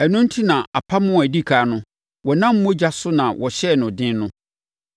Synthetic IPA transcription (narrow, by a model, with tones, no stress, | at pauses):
ɛ˨nʊ̃˦n̩˦tʰi˦nã˨a˨pʰa˦mʊ̃˦˨æ˨di˦kʰa˨˦nʊ̃˦ | wɔ˨nã˦m̩˦mʊ̃˦d͡ʑa˦sʊ˦nã˨wʔɔ˨ɕɛ˦˨nʊ̃˨dɪ̃˦nnʊ̃˦